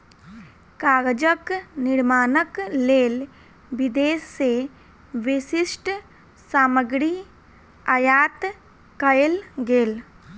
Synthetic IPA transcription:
kaːɡd͡ʒəknɪɾmaːnəkleːl | ʋid̪eːsse | ʋiʃiʃʈ | saːməɡɾiː | ɐjaːt̪ | kɐjelɡeːl

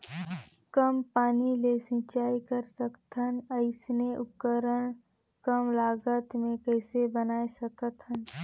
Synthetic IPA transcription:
kəmpaːnilesɪ̃ːt͡ʃaːikəɾsəkt̪ʰənəɪsneʔʊkəɾəɽ̃ | kəmlaːɡət̪mẽkɛɪsebənaːesəkət̪ʰɦən

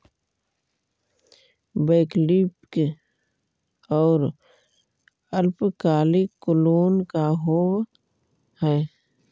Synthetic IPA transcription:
beːklipke | ɔːɾ | əlpkaːlikːʊloːnkaɦoːw | hɛː

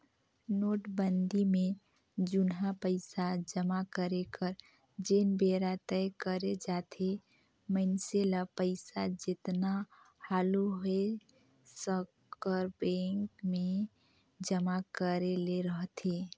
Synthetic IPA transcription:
noːʈbənd̪imẽ | d͡ʒʊnɦapəɪsad͡ʒəmakəɾekəɾ | d͡ʒeːnbeːɾat̪ɛjkəɾed͡ʒaːt̪ʰe | məɪnselapəɪsad͡ʒɪt̪na | haːluɦe | səkː | əɾbẽːŋkmẽ | d͡ʒəmakəɾeleɾəɦt̪ʰeː

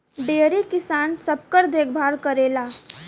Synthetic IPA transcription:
ɖeːɾekɪsaːnsəb̚kəɾd̪eːkʰbʱaːɾkəɾelaː

